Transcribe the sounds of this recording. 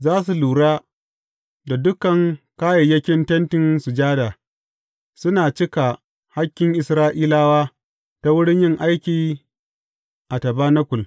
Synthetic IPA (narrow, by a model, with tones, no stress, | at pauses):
zaː˦s̬u˨luː˨ɽaː˦ | da˨dʊ˦kɐ˨ŋkaː˦jɐ˨jɐ˦kʲɪ˦ntɐ˦ntɪ˨nsʊ˨d͡ʒaː˦daː˨ | sʊ˦naː˨t͡ʃɪ˦ka˨ | ha˦kʲːɪ˨ŋʔɪ˨sɾaː˦ʔiː˦laː˦waː˦ | ta˦wʊ˦ɽɪ˦ɲjɪ˦˨ŋʔa˦jkʲiː˨ | ʔa˨tɐ˨baː˦nɐ˦kʷʊ˨l